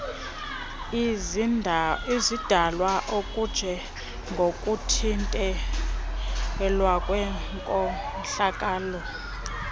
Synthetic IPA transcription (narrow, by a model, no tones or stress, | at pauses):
izid̥ʱalwaʔokʼud̥ʒ̥ʱɛ | ŋɡʱokʼutʰintʼɛ | lwakʼwɛkʼɔ | ɬakʼaːlɔ